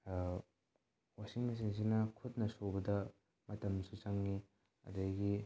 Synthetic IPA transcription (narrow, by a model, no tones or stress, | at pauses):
wasiŋmɐs̬iŋs̬inɐkʰut̚nɐsobɐdɐ | mɐtɐmsut͡ʃaŋːi | ɐ̰dɐjɡi